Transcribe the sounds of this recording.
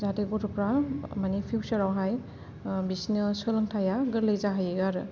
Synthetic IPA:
zateɡɔtʰɔpɾamanipʰiwsɐɾawɦaj | bisinɯsɯlɐŋtʰajaɡɯɾlejzaɦajeɡaɾɯ

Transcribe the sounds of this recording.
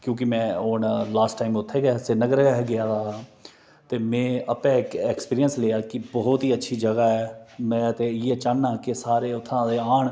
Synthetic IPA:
kjõːk̬ɪmɛ̃ːoːɳlaːsʈːaːɪmʊt̪ʰːeːɡɛasenəɡəɾɡɛːɦɡɪaːd̪aːɦaː | t̪eːmɛ̃ːəpɛ̃ːkɛkspiːɾijənsleːaːkɪbɔɦʊt̪ɦiːətːʃʰiːd͡ʒəɡaːɛːmɛ̃ːt̪eːɪjeːt͡ʃaːnːaːkɪsaːɾeːʊt̪ʰːãːd̪eːaːɳ

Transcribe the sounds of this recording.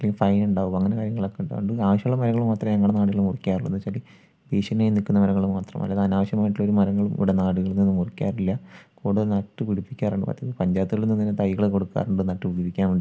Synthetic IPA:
ɐleŋɡɐlfɐjnuɳɖaːʋuɐŋːɐne̞kaːɾjɐŋːɐɭokːeʈɨ̰ɳɖɨaːʋɐɕjɐɭːumɐɾɐŋːɐɭumaːt̪rɐmeŋːɐuɽenaːɽuɣɐɭumurikʲːaːruɭːɐnːɨt͡ɕali | beːɕɐnːaːjunːikːunːɐmɐɾɐŋːɐɭumaːt̪rɐ̰mʔɐ̰lːɐðaːnaːʋɐɕjɐmaːjiʈːulːo̞ɾumɐɾɐŋːɐɭumʔḭʋiɽenaːɽuɣɐɭnːinːumurikʲːa̰ːrilːɐkoːɽuðɐnɐʈːɨpiɽipːi̥kʲːaːrɐɳɖɨpa̰ːt̪ːiðɨpɐɲd͡ʑaːt̪ːuɣɐɭnːiŋːinːet̪ɐjɣɐɭeko̞ɽukːa̰ːruɳɖɨnɐʈːɨpiɽipːikʲːaːnuɳɖɨ

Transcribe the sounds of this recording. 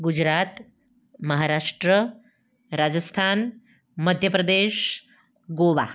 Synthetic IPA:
ɡud͡ʑɾat̪ | məɦaɾaʂʈɾə | ɾad͡zəst̪ʰan | məd̪ʱjəpɾəd̪eʂ | ɡoʋa̰

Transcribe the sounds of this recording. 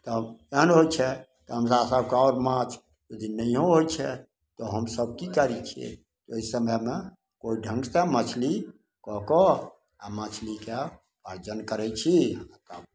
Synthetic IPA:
t̪ɔənɦot͡ʃʰɛ | t̪ɔɦəms̬asəb̚keɔɾmãt͡ʃʰ | ud̪ʱinəiɦõɦojt͡ʃʰɛ | t̪ɔɦəmsəb̚kikəɾit͡ʃʰiɛ̰ | t̪oisəməme | koiɖʱə̃ŋɡt̪emət͡ʃʰli | kɔkɔ | a̰mət͡ʃʰlike | pad͡ʒənkəɾɛt͡ʃʰit̪əb

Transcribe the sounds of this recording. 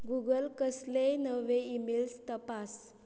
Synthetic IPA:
ɡuɡəlkəslenəʋeimelst̪əpas

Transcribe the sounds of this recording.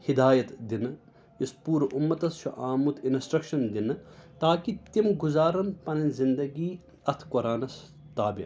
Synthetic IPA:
hid̪aːjɐt̪d̪in | ispuːɾʔumːɐt̪ɐst͡ʃʰuʔaːmut̪insʈɾɐkʃɐnd̪int̪aːkit̪imɡuzaːɾɐnpɐnɐnzind̪ɐɡiː | ɐt̪ʰkoɾaːnɐs | t̪aːbi

